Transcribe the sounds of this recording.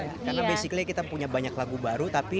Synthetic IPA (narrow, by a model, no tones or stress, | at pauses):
karnabejsiklakit̪apuɲabaɲaklaɡubaɾut̪api